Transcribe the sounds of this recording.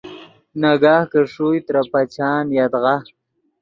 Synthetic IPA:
naɡaːhkəʂujt̪ɾapat͡ʃɑːnjat̪ɣa

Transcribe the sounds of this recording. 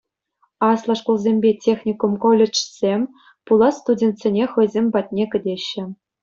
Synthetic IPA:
ɑslˠɑʂkulˠzʲemʲbʲetʲexʲnʲikumkolʲet͡ʂsʲemʲ | pulˠɑst̪udʲent̪ʲsʲenʲexɤ̆jzʲemʲbɑt̪̚ʲnʲekʲɘ̆dʲeɕːɘ̆

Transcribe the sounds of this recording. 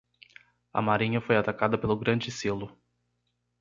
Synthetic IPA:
ɐ̰maɾĩɲɐfojat̪akad̪ɐpelʊɡɾɐ̃d͡ʒɪselʊ

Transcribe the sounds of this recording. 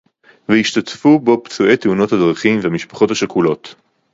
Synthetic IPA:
vehiʃtatfubo̞pt͡sue̞jt̪euno̞thadʁaχimveamiʃpḁχo̞thaʃakulo̞t

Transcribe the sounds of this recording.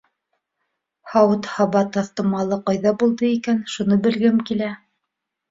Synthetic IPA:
hɑwɤt̪hɑβɑt̪ɑθt̪ɤ̆mɑlˠɤqɑjðɑbulˠd̪ɤikænʃunɤbɘ̆lɡɘmkilæ

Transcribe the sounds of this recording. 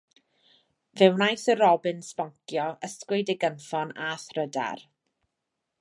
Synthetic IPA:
vɛwnajθəɾɔbɪnspɔŋkʰjɔʔəskwɪjdɪɡənfɔnaθrəda̰r

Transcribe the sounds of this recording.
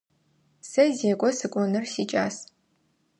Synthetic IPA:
sɐzeːkʷʼɔsɨkʷʼɔnɨrsiːt͡ʃʼaːs

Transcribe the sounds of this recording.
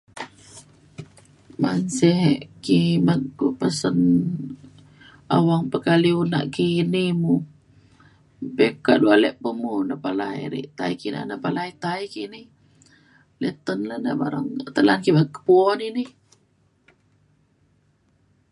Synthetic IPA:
mansɛɦʔkimakɡupasən | a̰waŋpəkaliuna̰ʔkinimu | peka̰ʔdualɛʔpəmunapalaj̰ɾḭʔt̪aikina̰napalait̪aikini | lɛt̪ənlana̰ba̰ɾa̰ŋt̪əlankimakːə̥puɔnini

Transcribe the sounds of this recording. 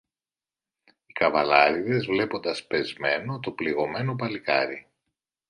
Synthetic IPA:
ikɐvɐlɐɾiðe̞zvle̞po̞nd̪ɐspe̞zme̞no̞t̪o̞pliɣo̞me̞no̞pɐlikɐ̰ɾi

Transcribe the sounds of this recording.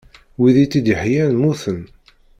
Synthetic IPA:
wiðit͡sːid̪əħjænmuθən

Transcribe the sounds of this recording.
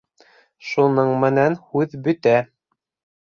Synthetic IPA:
ʃunɤɴmɘ̆nænhʉðbɵ̆t̪æ

